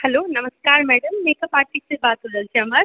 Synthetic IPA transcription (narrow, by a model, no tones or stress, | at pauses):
hɐloːnɐmɐskaːɾmɛːɽɐmːɛːkɐpaːʈːisibaːt̪ud̪ɐlt͡ʃɐːmɐɾ